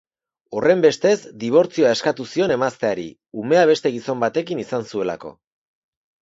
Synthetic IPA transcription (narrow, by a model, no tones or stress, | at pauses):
o̞re̞mbe̞st̪e̞zd̪iβ̞o̞ɾt͡sioae̞skat̪usio̞ne̞mast̪eaɾḭ | ume̞aβ̞e̞st̪e̞ɣiso̞mbat̪e̞kinisansue̞la̰ko̞̰